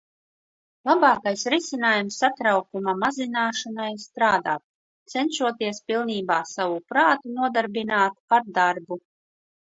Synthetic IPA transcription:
lˠabɑːkajsɾisʲinaːjumsːat̪ɾawkumamazinaːʃanajst̪ɾaːd̪a̰ːt̪̚ | t̪sɛnʃuɔt̪iɛspilˠniːbaːsavupɾaːt̪unuɔd̪aɾbinaːt̪aɾd̪aɾbu

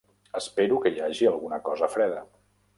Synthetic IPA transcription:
əspeɾukəiaʒiəlˠɣunəkɔzəfɾɛðə

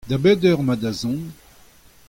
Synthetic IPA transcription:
d̪abɛd̪œʁmad̪azɔ̃

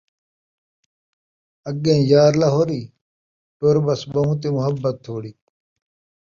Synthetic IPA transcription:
ɐɡẽːjaːɾlɐɦoɾiː | ʈoːɾbɐsbɐɦũt̪̬emʊɦɐbːɐt̪ʰːoːɽiː

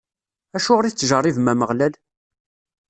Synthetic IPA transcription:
æʃʊʁɾiθt͡sːʒərˤːivmæməʁlæl

